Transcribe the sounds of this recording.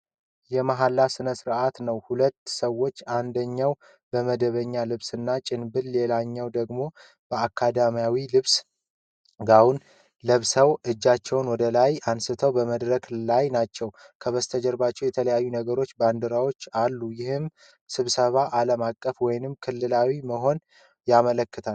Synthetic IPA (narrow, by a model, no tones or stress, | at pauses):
jɛmaɦalːasɨnəsɨɾʔat̪nəwhulət̪ːsəwːo̞t͡ʃːand̪əɲːaw | bəməd̪əβəɲːalɨβsɨnːat͡ʃʼɪnbɨllelaɲːɛwd̪əɡmo̞ | b̥əakʰːad̪amijawilɨβs | ɡawun | ləβsəwʔɨd͡ʒːat͡ʃːɛwnwɔd̪əlajansɨt̪ʰəwbəməd̪ɾəklajnat͡ʃːɛw | kʰəβəst̪ʰəd͡ʒəɾbat͡ʃːɛwjɛt̪ʰələjajːunəɡəɾo̞t͡ʃːband̪əɾawo̞t͡ʃːalːujɪhɨm | sɨβsəβaʔaləmakʼːəfwɔjnɨmkʰɨlːɨlawiməɦo̞n | jamələkːət̪ʰal